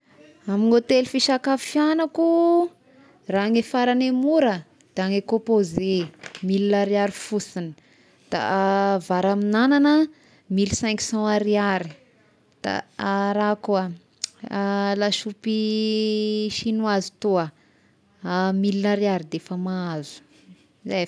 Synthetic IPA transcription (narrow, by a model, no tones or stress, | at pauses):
amiŋot̪elifiʃakafjanaku | raŋefaɾanemuɾə | d̪̥eaŋekõpozemilinaɾiaɾifusinə̥ | d̪̥a̰vaɾaminananə | milsɛ̃ŋku̥sɑ̃aɾiaɾi | d̪̥a̰aɾakua | laʃupi | ʃinuazi̥t̪oə | milinaɾiaɾid̪efəmaazu̥ | za